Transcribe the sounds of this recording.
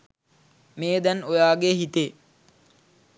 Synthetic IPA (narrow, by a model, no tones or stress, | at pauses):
meːd̪ɛnojaːɡeɦit̪e